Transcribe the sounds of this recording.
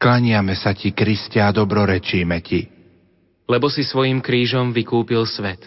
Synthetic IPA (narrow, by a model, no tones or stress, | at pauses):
klaɲɪamɛsacikɾiscaːd̪ɔbɾɔɾɛt͡ʃiːmɛci | lɛbɔsisʋɔjimkɾiːʒɔmʋikuːpilsʋɛt̪